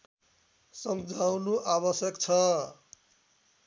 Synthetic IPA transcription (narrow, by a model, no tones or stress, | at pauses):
sʌmd͡zʱawnuʔaβʌsjʌkt͡sʰʌ